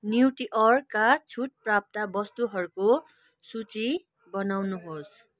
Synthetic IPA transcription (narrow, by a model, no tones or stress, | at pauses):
niwʈiʔʌrkat͡sʰuʈ̚prap̚t̪abʌst̪uɦʌɾuko | sut͡si | bʌnawnuɦos